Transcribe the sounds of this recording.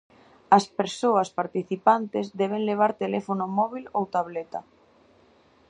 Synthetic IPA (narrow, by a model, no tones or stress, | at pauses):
ɐspeɾsoɐspaɾt̪iθipant̪ezd̪ɛβ̞eŋleβ̞aɾt̪elefonʊmɔβ̞ilowt̪aβ̞let̪a